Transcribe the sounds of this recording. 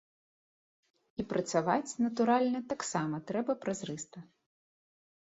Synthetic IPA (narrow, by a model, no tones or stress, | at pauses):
ipɾɐt̪savat͡sʲnɐt̪uɾalʲnɐt̪aksamɐt̪ɾɛbɐpɾazɾɨst̪ɐ